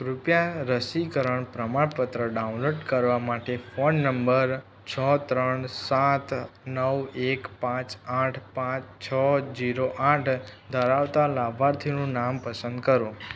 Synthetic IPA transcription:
ɾupjaɾəsikəɾəɳpɾəmaɽpət̪ɾəɖaũnloɖkəɾʋamaʈefoɳːəmbəɾ | t͡ʃʰət̪ɾəɳsat̪nəʋekpãt͡ʃaʈʰpãt͡ʃt͡ʃʰəd͡ʒiɾoʔaʈʰd̪ʱəɾaʋt̪alabʱaɾt̪ʰinũnampəsə̃nd̪̚kəɾũ

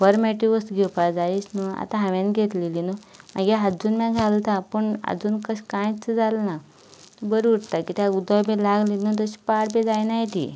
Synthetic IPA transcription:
bəɾmɛʈiʋəst̪ɡʱepad͡zaisnua̰t̪ãɦãʋãnɡʱet̪lilinumaɡiɦad͡zuːnmãɡʱalt̪apəɳa̰d͡zuːnkəɕkãjt͡sːəd͡zalna | t̪əbəɾuɽt̪akit̪aud̪abẽlaɡlinəd̪əɕi̥paɽbẽd͡zajnajt̪ḭ

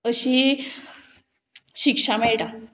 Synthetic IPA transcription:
əɕi | ɕikʂamɛɭʈa

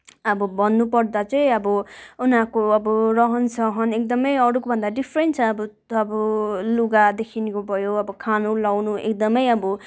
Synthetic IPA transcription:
ʌbʌbʱʌnːupʌrd̪at͡sʌĩʌbʌunɦakoʌbʌrʌɦʌnsʌɦʌnek̚d̪ʌmʌjʌɾukobʱʌnd̪aɖipʰɾent͡sʰʌːbʌ | ʌbʌluɡad̪ekʰinkobʱʌjoʌbʌkʰanulawnuḛk̚d̪ʌmʌjʌbʌ

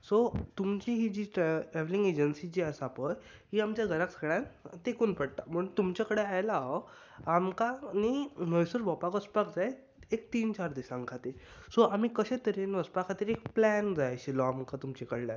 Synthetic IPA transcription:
sot̪umt͡ɕiɦid͡ʑiːʈɾʈɾɛʋlĩŋɡed͡ʑənsid͡ʑiːəsapəj | ɦiamt͡ɕjaɡʱəɾaksəɡɭjãnt̪ekuːnpəɽt̪am̤uɳt̪umt͡ɕjakəɽeajla | amkaniməjsuɾbʱɔpakəspakd͡zae | ekt̪iːnt͡ɕaɾd̪isãŋkʰat̪e | sɔam̤iːkəɕẽt̪əɾenʋəspakʰat̪iɾek̚plænd͡zajɕilɔamkat̪umt͡ɕekəɽla̰

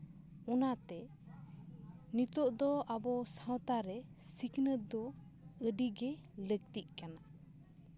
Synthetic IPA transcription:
ɔnat̪ɛ | nit̪ɔʔd̪ɔʔabɔsawt̪aɾɛ | siknəd̪ɔ | əɖiɡɛlək̚t̪iʔ̚ˀkana

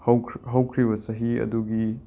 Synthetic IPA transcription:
hwɦɐwkʰɾibɐsɐɦiɐ̰duɡi

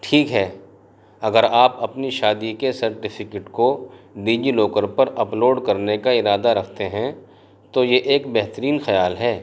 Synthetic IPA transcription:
ʈʰiːkɦɛː | ɐɡəɾaːpɐpniʃaːd̪ikesɐɾʈɪfʰɪkeʈkoɖiːd͡ʒiloːkəɾpɐɾɐploːɖkɐɾnekaɪɾaːd̪aɾɐkʰt̪eɦɛ̃ | t̪ojeʔeːkbɛɦt̪əɾiːnxɐjaːlɦɛː

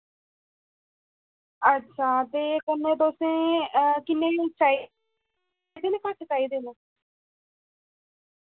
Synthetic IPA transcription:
əːt͡ʃʰaːd̪eːkənːẽːd̪oːsẽːəkɪnːẽt͡ʃaːi | d̪inẽːkat͡ʃt͡ʃaːiːd̪enoː

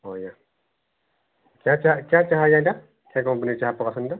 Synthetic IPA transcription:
ɔja | kjat͡ʃaakjat͡ʃaɦajãda | kakɔmpənit͡ʃaɦapɔkasənda

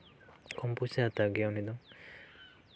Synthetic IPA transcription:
kɔmpusat̪aɡjawnid̪ɔŋ

